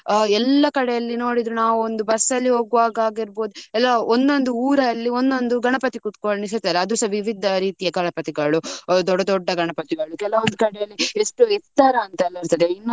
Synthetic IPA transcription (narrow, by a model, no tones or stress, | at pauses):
ɛlːɐkɐɽɛjɐlːino̞ːɽid̪ɾunaːʋuond̪ubɐsːɐlːiɦo̞ːɡʋaːɡaːɡiɾbo̞ːd̪uɛlːɐond̪o̞nd̪uuːɾɐːlːio̞nd̪o̞nd̪uɡɐɳɐpɐt̪ikut̪koɭnis̬ɐɾt̪ːaːd̪eɐd̪usɐʋiʋid̪ʱɐɾiːt̪ijɐɡɐɳɐpɐt̪iɡɐɭud̪ɔɖːɐd̪ɔɖːɐɡɐɳɐpɐt̪iɡɐɭukɛlɐʋɐnd̪ukɐɽɛjɐlːieʂʈueɾt̪aːɾɐːnt̪ɐɛlːɐɐɾt̪ɐd̪einːɐ